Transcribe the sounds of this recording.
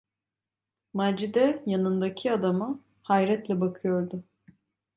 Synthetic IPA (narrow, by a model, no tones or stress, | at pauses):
mad͡ʒid̪ɛjanɯnd̪acʰiad̪ama | hajɾɛt̪lʲɛbakʰɯjo̞ɾd̪ʊ